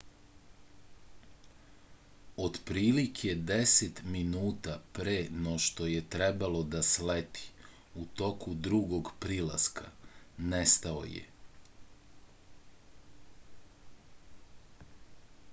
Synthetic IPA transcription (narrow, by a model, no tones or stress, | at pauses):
od̪pɾiːlikʰje̞d̪eset̪minuːt̪apɾeno̞ʃt̪o̞je̞t̪ɾe̞balo̞d̪aslet̪ʰi̥ | ut̪o̞kud̪ɾuɡo̞ɡpɾila̰skʰa̰nest̪ao̞̰jḛ